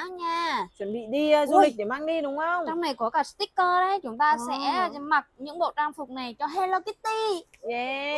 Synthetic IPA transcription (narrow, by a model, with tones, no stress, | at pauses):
ɲaː˧t͡ɕə˧˩nɓḭ˧˨ɗi˧zu˧li˨˩k̟̚ɗe˧˩maː˧ŋɗi˧ɗʊ˨˦ŋ͡mə˧wŋ͡mt͡ɕɔ˧wŋ͡mna˨˩jkɔ˨˦kaː˧˩st̪i˦˥kkəː˧ɗə˧˦jt͡ɕʊ˨˦ŋ͡mt̪aː˧sɛ̰˧˥ma˨˩t̚ɲɨ̰˧˥ŋɓo̰˧˨t͡ɕaː˧ŋfʊ˨˩k͡p̚na˨˩jt͡ɕɔ˧ɦe˧ləː˧ki˦˥t̚t̪i˧jɛ˨˧